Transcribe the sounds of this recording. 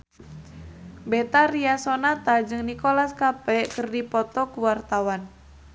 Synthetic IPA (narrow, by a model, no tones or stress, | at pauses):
bɛt̪ariasɔnat̪ad͡ʒɨŋnikolaskapɛkɨrdipɔt̪ɔkuwart̪awan